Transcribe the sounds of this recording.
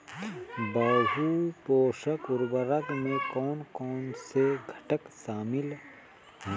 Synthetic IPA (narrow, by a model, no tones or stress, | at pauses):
baːɦupoːʃəkʊɾbəɾəɡmẽkɔːnkɔːnseɡʱəʈəkʃaːmɪl